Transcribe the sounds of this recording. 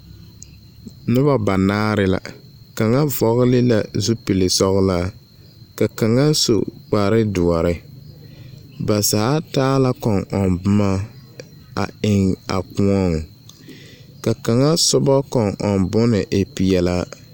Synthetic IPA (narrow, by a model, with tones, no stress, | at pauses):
nʊ˦ba˦ba˨naː˦ɾɪ˦la̰˨ | ka˨ŋa˦vɔ˦ɣʊ˦lɪ˦la˨zu˦pi˨lɪ˨sɔ˦ɣʊ˦la˦ | ka˨ka˨ŋa˦n˦so̰˨k͡pa˨ɾɪ˦dʊ˨ɔ˨ɾɪ˦ | ba˨sa˨a˦taː˦la˦kɔ˨ŋɔ˨nbʊ˦ma˦ | a̰˨ɪ˨ŋa̰˨ku˦ɔ˦ŋ˨ | ka˨ka˨ŋa˦sʊ˦bɔ˦kɔ˨ŋʔɔ˨nbʊ˦nɪ˨ʔe˨pi˨ɛ˨la˦